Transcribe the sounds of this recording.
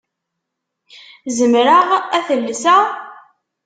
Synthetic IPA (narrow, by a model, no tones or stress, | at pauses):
zəmɾəʁæθəlːsæ